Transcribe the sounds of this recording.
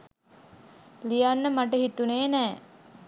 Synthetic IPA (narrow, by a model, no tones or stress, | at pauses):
lijanːəmaʈəɦit̪uneːnɛː